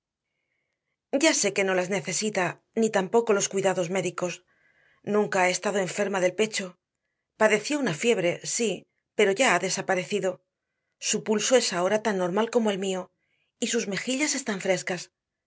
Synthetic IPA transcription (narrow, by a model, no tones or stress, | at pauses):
ɟ͡ʝase̞ke̞no̞lazne̞θe̞sit̪a | nit̪ampo̞ko̞lo̞skwiðaðo̞zme̞ðiko̞s | nũŋkaae̞st̪að̞o̞e̞ɱfe̞ɾmaðelpe̞t͡ʃo̞ | paðe̞θjo̞unafje̞β̞ɾe̞si | pe̞ɾo̞ʝaaðe̞sapaɾe̞θiðo̞ | supulso̞e̞sao̞ɾat̪anːo̞ɾmalko̞mo̞e̞lmio̞ | isuzme̞xiʎase̞st̪aɱfɾe̞skas